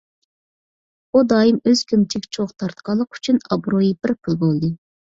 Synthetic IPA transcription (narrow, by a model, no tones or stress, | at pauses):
ud̪ɑːjimøz̥kʲʰymt͡ʃʰɪkʲt͡ʃʰoχt̪ʰɑɾt̪qʰɑlˠːəqy̥t͡ʃʰynɑbɾojibɪɾpʰɨlˠbolˠd̪ɨ